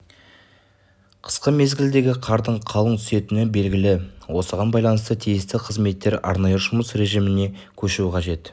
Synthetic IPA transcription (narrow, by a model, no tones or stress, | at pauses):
qʰə̥sqəme̞zɡʲɪld̪e̞ɡʲɪqʰɑɾd̪əɴqʰɑlˠəŋt̪ʰʏse̞t̪ɪnɪbe̞lɡʲɪlɪwo̞səʁɑnbɑjlˠɑnəst̪ət̪ʰijɪst̪ɪqʰəzme̞t̪ːe̞ɾɑ̰ɾnɑjəʒʊməsɾe̞ʒijmɪne̞ | kʲʰɵʃuɪqʰɑʒe̞t̪